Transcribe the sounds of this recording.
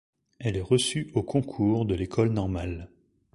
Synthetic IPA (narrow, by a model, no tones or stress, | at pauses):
ɛlɛʁəsyokʰɔ̃kʰuːʁd̪əlekʰɔlnɔʁmal